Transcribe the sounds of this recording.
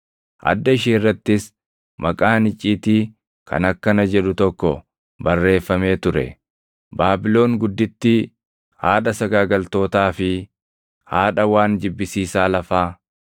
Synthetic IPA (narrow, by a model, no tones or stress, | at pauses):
ʔɐ̰d̪ːɐɪʃiːnrːɐt̪ːɪs | mʔɐkʼaːnɪt͡ʃʼːiːt̪iː | kʰɐ̰nɐkːɐnɐd͡ʒɛᶑʊt̪ɔkːɔ | bɐrːe̞ːfːɐme̞ːt̪ʊɾɛ̰ | baːbɪlo̞ːŋɡʊd̪ːɪt̪ːɪ | haːᶑɐsɐɡaːɡɐlt̪o̞ːt̪aːfɪ | haːᶑɐwaːnd͡ʒɪbːɪsiːsaːlɐfaː